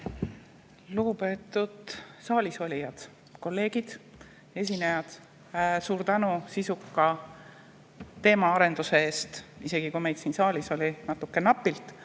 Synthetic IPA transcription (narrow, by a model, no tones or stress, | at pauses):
luɡ̥upe̞ːt̪ːˑud̪̥sɑːlʲiso̞lʲijɑd̪̥ | ko̞lːe̞ːɡ̥id̪̥ | e̞sʲinejɑd̪̥ | suːɾt̪ænusisukːɑ | t̪e̞ːmɑɑɾe̞nd̪use̞e̞ːst̪ise̞ɡ̥ikume̞jd̪siːnsɑːlʲiso̞lʲinɑt̪ːˑukːe̞nɑpːˑilt̪ˑ